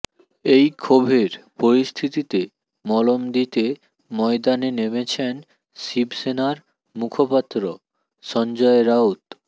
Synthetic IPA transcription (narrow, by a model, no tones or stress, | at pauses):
ejkʰobʱeɾpoɾist̪ʰit̪it̪e | mɔlomd̪it̪e | mɔed̪anenemet͡ɕʰen | sibsenaɾ | mukʰopat̪ːɾo | ʃɔnd͡ʑɔeɾaut̪